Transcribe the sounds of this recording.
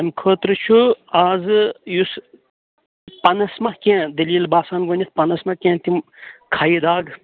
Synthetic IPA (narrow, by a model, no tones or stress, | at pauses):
ɐnkʰoːt̪ɾɨt͡ʃʰuaːzɨjus | pɐnɐsmɐkẽːd̪ɐliːlbaːsaːnɡonʲit̪̚ʰpɐnɐsmɐkʲẽːt̪imkʰaːjid̪aːɡ